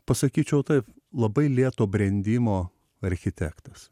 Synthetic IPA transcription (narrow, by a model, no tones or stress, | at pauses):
pɐsɐkʲiːt͡ʃʲɛʊt̪ɐɪp | lˠɐbɐɪlʲiɛt̪oːbʲɾʲɛnʲd̪ʲiːmoː | ɐɾʲxʲɪt̪ʲæːkt̪ɐs